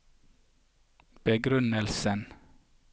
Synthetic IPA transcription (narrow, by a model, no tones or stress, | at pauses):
b̥əɡɾʉnəlsən